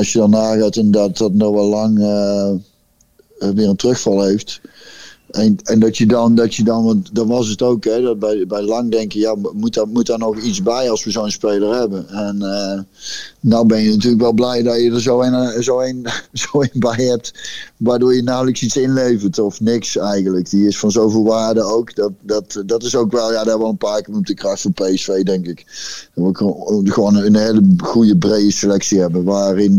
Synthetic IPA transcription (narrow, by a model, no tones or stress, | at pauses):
ɑlsjədɔnːaːɣaːtɛndɔt̚dətnɔxʋɛlˠːɑŋə | ʋɪːrəntrøxfɑlˠɦejft | ɛnɛndɔtjədɔndɔtjədɔnʋɑntdɔʋɑs̬ətowkɛdɔt̚bɛjbɛjlɑŋdɛŋkəjaːmut̚mutanɔxit͡sbɛjɑlˠsʋəzownspejlˠərɦɛbənɛnəː | awbɛnjənatyːləkʋɛlˠblɛjdɔjədəɹzownzowenzowenbɛjɦɛp̚tʋaːɹdoːɹjənaːləksitsɪnlejvəntɔfnɪksɛjɣəntləkdiɪsfɑnzowvɪːlˠʋaːɹdəowkdɑtdɑtdɑtɪsowkʋɛlˠjaːdaːʋɔlˠənpaːkəmɔp̚dəkrɑxtfoːpejɛsfejdɛŋkɪkʋəχəʋownənɦejləχujəbrejdəsəlɛksiɦɛbənʋaːrɪn